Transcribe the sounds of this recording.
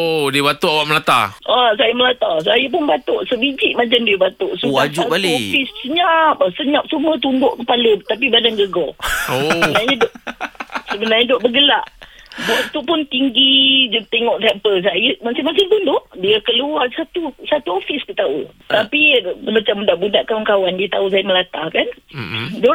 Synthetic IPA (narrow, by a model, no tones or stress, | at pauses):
odiəbat̪uawaʔməlat̪a̰ʔasajaməlat̪asajəp̬ʊnbat̪oʔsəbid͡ʒiʔ̚mãt͡ʃamdiəbat̪oʔsuaalɔfissəɲap̚əsəɲap̚sumət̪undʊʔkəpalət̪ap̬ibadanɡəɡɔ | əbənaɲadoʔsəbənarɲadoʔbəɡəlaʔdot̪upʊnt̪iŋɡid͡ʒut̪eŋɔʔt̪ɛmpəls̬ajəmasimasɪŋt̪undoʔdiəkəluarsat̪usat̪uofiskət̪aṵt̪apiməmat͡ʃamdaʔbudaʔkawankawandiət̪aus̬ajaməlat̪ahkando